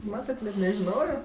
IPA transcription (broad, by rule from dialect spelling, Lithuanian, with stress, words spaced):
ˈmɑːtɐt nʲɛt nʲɛʒʲɪˈnoːjoː